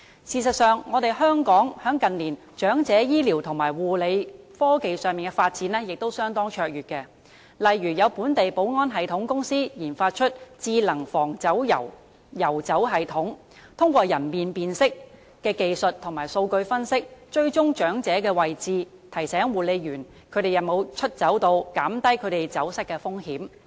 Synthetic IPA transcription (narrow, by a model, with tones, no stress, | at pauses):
siː˨˩sɐ˨t̚sœː˨ŋːɔː˨˧t̪e˨jɦœː˥ŋkɔː˨˥ŋhœː˨˥ŋkɐ˨nliː˨˩n | t͡ʃœː˨˥ŋt͡sɛː˨˥jiː˥liː˨˩wt̪ʰʊ˨˩ŋmaː˨˩jwuː˨le˨˧j | fɔː˥ke˨jsœː˨˩ŋmiː˨nkɛ˧faː˧t̚t͡siː˨˥nlɛː˥jɪ˨k̚t̪o˥wsœː˥ŋt̪ɔː˥ŋt͡ʃʰœː˧k̚jyː˨t̚kɛː˧ | lɐ˨jɥyː˨˩jɐ˨˧wpuː˨˥nt̪e˨jpo˨˥wŋɔː˥nɦɐ˨jt̪ʰʊ˨˥ŋkʊ˥ŋsiː˥jiː˨˩nfaː˧t̚t͡ʃʰɵ˥t̚t͡siː˧lɐ˨˩ŋfɔː˨˩ŋt͡sɐ˨˥wjɐ̰˨˩w | jɐ˨˩wt͡sɐ˨˥wɦɐ˨jt̪ʰʊ˨˥ŋ | t̪ʰʊ˥ŋkʷɔː˧jɐ˨˩npiː˨npiː˨nsɪ˥k̚ | kɛː˧ke˨jsɵ˨t̚t̪ʰʊ˨˩ŋmaː˨˩jso˧wkɵ˧ɥfɐ˥nsɪ˥k̚t͡ʃɵ˧ɥt͡ʃʊ˥ŋt͡ʃœː˨˥ŋt͡sɛː˨˥kɛː˧wɐ˨jt͡siː˧ | t̪ʰɐ˨˩jsɛː˨˥ŋwuː˨˩le˨˧jɥyː˨˩n | kʰɵ˨˧ɾe˨jɐ˨ŋmo˨˧wt͡ʃʰɵ˥t̚t͡sɐ˨˥wt̪o˧wkaː˨˥mt̪ɐ˥jkʰɵ˨˧ɥɾe˨jt͡sɐ˨˥wsɐ˥t̚kːɛ˧fʊ˥ŋhiː˨˥m